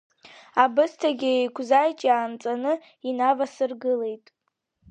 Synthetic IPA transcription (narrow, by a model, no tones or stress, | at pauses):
abɨstʰaɡʲɪejkʷʰzajt͡ʃʼaːnt͡sʼanɨ | inavasɨrɡɨle̞jtʼ